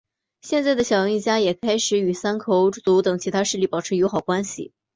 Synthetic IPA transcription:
ɕjɛ˥˧nt͡sa˥˩ɪd̪ə˩ɕjɑ˨˩jɑ˧˥ŋi˥˩t͡ɕja˥jɛ˨˩kʰa˥ɪʂɻ̩˧˥y˨˩sa˥nkʰo˧˥ʊ˥t͡su˧˥t̪ɤ˨˩ŋt͡ɕʰi˧˥t̪ʰa˥ʂɻ̩˥˧li˥˩pɑ˨˩ʊʈ͡ʂʰɻ̩˧˥˩jo˧˥ʊxɑ˨˩ʊkwa˥nɕḭ˨˩

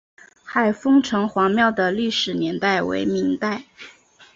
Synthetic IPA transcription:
xa˥˩ɪfɤ˥ŋʈ͡ʂʰɤ˧˥ŋxwɑ˧˥ŋmjɑ˥˩ʊd̪ə˩ly˥˩ʂɻ̩˨˩njɛ˧˥nt̪a˥˩ɪwḛ˧˥ɪmi˧˥ŋt̪a˥˩ɪ

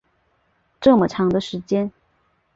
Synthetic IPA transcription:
ʈ͡ʂɤ˥˩mə˩ʈ͡ʂʰɑ˧˥ŋd̪ə˧ʂɻ̩˧˥t͡ɕjɛ˥n

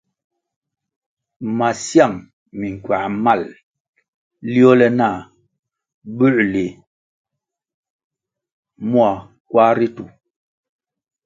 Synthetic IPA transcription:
ma˨sja˦˨mː | i˨ŋ˨kwa˨ʔma˦˨l | li˦o˦lɛ˦na˦˨ | bʉ˦˨ʔle˨ | mwa˨ | kwa˦ɾi˦tu˨

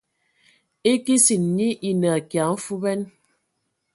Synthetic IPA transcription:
e˦ki˦si˨n˨ni˦ʔi˨nə˨a˨kja˨˦m̩˦fu˦bɛ˦n

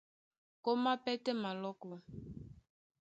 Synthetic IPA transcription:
ko˦ma˦pɛ˦tɛ˦ma˨lɔ˦kɔ˨

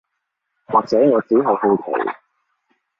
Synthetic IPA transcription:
waː˨k̚t͡sɛː˨˥ŋɔː˨˧t͡siː˨˥ɦo˨˧ho˧wkʰḛ˨˩

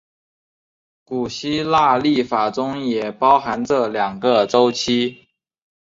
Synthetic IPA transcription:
ku˨˩ɕi˥la˥˧li˥˩fa˨˩ʈ͡ʂʊ˥ŋjɛ˨˩pɑ˥ʊxa˧˥nʈ͡ʂɤ˥˩ljɑ˨˩ŋɡə˨ʈ͡ʂo˥ʊt͡ɕʰi˥

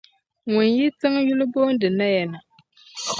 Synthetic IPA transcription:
ŋʊ˨nji˦tɨ˦ŋ˦ju˦lɨ˦boː˦n˦dɨ˨na˦jɛ˨na˨

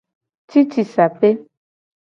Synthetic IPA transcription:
ti˦t͡ʃi˨sa˨pe˦

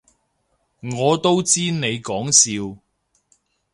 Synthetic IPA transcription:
ŋɔː˨˧t̪o˥wt͡siː˥ne˨˧jkɔː˨˥ŋsiː˧w

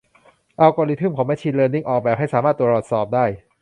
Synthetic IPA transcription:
ʔa˧wkɔː˧li˧t̪ʰɯ˥˩mkʰo˨˦ma˥˩t͡ɕʰi˧nlɤː˧nːi˥˩ŋʔɔː˨˩k̚bɛː˨˩p̚ha˥˩jsaː˦maː˥˩u˧˩ba˨˩t̪sɔː˨˩p̚daː˥˩j

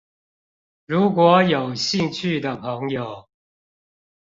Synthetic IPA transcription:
ɻu˨˥kwɔ˨˦jo˨˩ʊɕi˥˧ŋt͡ɕʰy˥˩d̪ə˩pʰɤ˧˦ŋjo˨˩ʊ

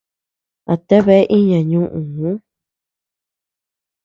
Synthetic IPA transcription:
a˨t̪e˦βe˦ʔi˦ɲã˨ɲũ˦ʔũ˨ũ˦

